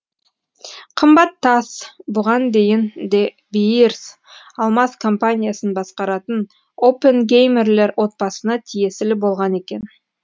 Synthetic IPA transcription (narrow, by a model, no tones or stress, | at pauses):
qʰəmbɑt̪ʰːɑsbʊʁɑnd̪e̞jɪnd̪e | bijɾs | ɑlˠmɑskʰo̞mpanʲijasənbɑsqɑɾɑt̪ən | opənɡʲejme̞rle̞ɾwo̞t̪̚bɑsənɑt̪ʰije̞sɪlɪbo̞lˠʁɑne̞kʲe̞n